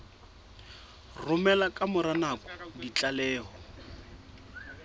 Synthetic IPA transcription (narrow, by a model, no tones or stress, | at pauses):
rʊmɛlakʼamʊɾanakɔ̥dit͡ɬʼalɛːɦɔ